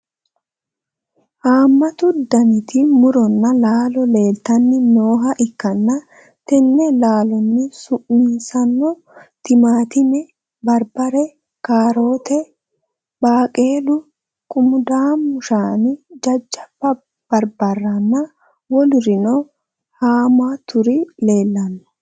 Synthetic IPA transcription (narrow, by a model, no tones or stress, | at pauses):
haːmːɐt̪ʊd̪ɐnɪt̪ɪmʊɾɔnːɐlaːlɔle̞ːlt̪ɐnːɪnoːɦɐʔɪkːɐnːɐ | t̪ɛnːɛlaːlɔnːɪsʊʔmiːsɐnːɔ | t̪ɪmaːt̪ɪmɛ | bɐɾbɐɾɛ | kaːɾo̞ːt̪ɛ | baːkʼeːlʊ | kʼʊmʊd̪aːmːʊʃaːnɪd͡ʒɐd͡ʒːɐ̥bɐ | b̥ɐɾbɐrːɐnːɐ | wɔlʊɾɪnɔ | haːmat̪ʊɾɪle̞ːlːɐnːɔ̥